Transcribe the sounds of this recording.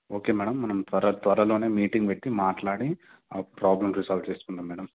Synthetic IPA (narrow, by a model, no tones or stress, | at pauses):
oːke̞ːmɛːɽɐmːɐnɐmt̪ʋɐɾɐt̪ʋɐɾɐlo̞ːne̞ːmiːʈiŋɡʋeʈːimaːʈlaːɽi | aːpɾaːblɐmɾisaːlʋt͡ʃeːst̪und̪aːmːɛːɽɐm